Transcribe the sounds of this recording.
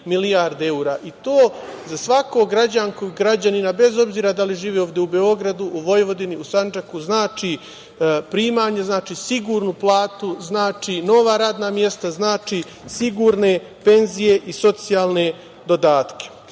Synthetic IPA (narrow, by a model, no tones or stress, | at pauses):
milijaɾd̪e̞uɾaːʔit̪oː | zasʋakoɡɾad͡ʑaŋkojuɡɾad͡ʑaninabe̞zo̞bziːɾad̪aliʒiːʋeo̞ːʋd̪je̞ube̞o̞ɡɾad̪uʔuʋo̞jʋo̞d̪iniusand͡ʒakuznaːt͡ʃi | pɾiːmaːɲe̞znaːt͡ʃiːsiɡuːɾnuplˠaːt̪uznaːt͡ʃino̞ʋaɾaːd̪namje̞st̪aznaːt͡ʃi | siɡuːɾne̞ | pe̞nzije̞ʔiso̞t̪sijaːlˠne̞ | d̪o̞d̪aːt̪ke̥